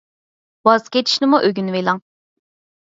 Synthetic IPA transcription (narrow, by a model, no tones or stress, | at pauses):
wɑzkʲet͡ʃʰi̥ʃnɪmuʔøɡʲynvelˠɑŋ